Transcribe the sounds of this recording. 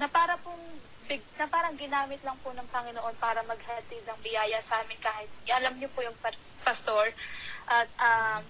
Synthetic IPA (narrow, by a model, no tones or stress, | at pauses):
nɐpaːɾɐpʊŋ | bɪɡnɐpaːɾɐŋɡɪnaːmɪt̪lɐŋpʊnɐŋpɐŋɪnoʔo̞npaːɾɐmɐɡhɐt̪ɪd̪̚nɐŋbɪjaːjɐsɐʔaːmɪnkaːhɪt̪̚ʔɐlɐmɲopʊjʊŋpɐ | pɐst̪o̞ɹʔɐt̪̚ʔɐm